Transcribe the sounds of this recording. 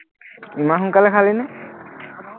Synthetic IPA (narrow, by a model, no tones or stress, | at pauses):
imaxʊŋkalɛkʰalinɛ